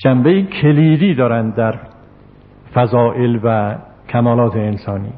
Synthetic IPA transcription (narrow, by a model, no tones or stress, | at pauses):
d͡ʒæmbejiːkʰeliːd̪iːd̪ɒːɾænd̪d̪æɾ | fæzɒːʔelvæ | kʲʰæmɒːlɒːt̪ʰeːnsɒːnḭː